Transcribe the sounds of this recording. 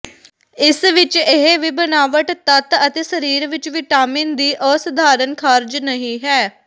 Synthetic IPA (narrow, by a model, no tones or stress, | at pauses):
ɪsʋɪt͡ʃeɦeʋiːbənaːʋəʈt̪ət̪ət̪eːsəɾiːɾʋɪt͡ʃʋɪʈaːmiːnd̪iːʔɔːsəd̪ʱaːɾənkʰaːɾd͡ʒnəɦĩːɦɛː